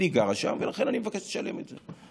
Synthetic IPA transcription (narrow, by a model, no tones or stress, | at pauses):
iɡaʁaʃa̰mvelaχe̞nanimevakeʃleʃale̞̰metze